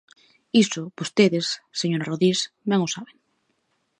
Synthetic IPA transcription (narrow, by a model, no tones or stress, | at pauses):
isʊbost̪eðesːeɲoɾaroðɾis | mẽŋʊsaβeŋ